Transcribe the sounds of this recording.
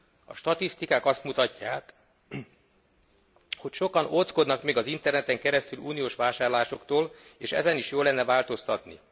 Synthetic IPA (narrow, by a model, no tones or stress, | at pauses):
ɒ̰ʃt̪ɒt̪ist̪ikaːkɒst̪mut̪ɒcːaːk | ho̞cʃokɒnot̪sko̞d̪nɒkmeːɡɒzint̪ɛrnɛt̪ɛŋkɛɾɛst̪yluːnijoːʃʋaːʃaːrlaːʃo̞kt̪oːleːʃɛ̰zɛniʃjoːlɛnːɛvaːlt̪o̞st̪ɒt̪nḭ